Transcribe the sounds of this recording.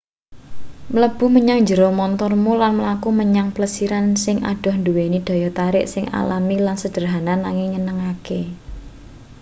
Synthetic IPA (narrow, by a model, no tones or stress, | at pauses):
mələb̥ʊ̤hməɲaŋd͡ʒəɾomɔnt̪ɔrmolanməlakuməɲaŋpələsiɾansɪŋʔa̰ɖ̥ɔ̤hnd̪uwenid̪̥ɔ̤jɔt̪aɾɪʔsɪŋa̰lamilansəd̥ə̤rɦananːaŋɪŋɲənəŋake